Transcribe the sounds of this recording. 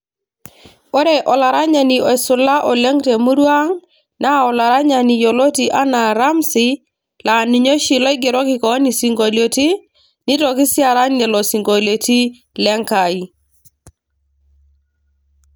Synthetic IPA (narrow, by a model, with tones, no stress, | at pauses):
o˦ɾe˦ʔɔ˨la˨ɾa˦ɲa˨ni˨o˨sʊ˨la˦ʔɔ˨le˦ŋte˨mu˦ɾwa˦ŋ | na˦ɔ˨la˨ɾa˦ɲa˨ni˨jo˨lo˦ti˨ʔa˦na˨ɾa˦msi˦ | la˨ni˨ɲo˦ʃi˨lɔ˦i˦ɡe˨ɾɔ˦kɪ˨kɔ˨˦ni˨si˨ŋɡo˨ljo˨ti˦ | ni˦tɔ˨ki˦si˦a˨ɾa˦nɛ˨lɔ˨si˨ŋɡo˨ljo˨ti˦ | lɛ˦ŋka˨i˨